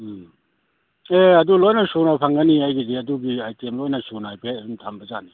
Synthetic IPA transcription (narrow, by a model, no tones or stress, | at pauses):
eɐdulɔjnasunapʰaŋɡaniajɡiziɐduɡiajtiemlɔjnasunaajpʰentʰambaza̰ni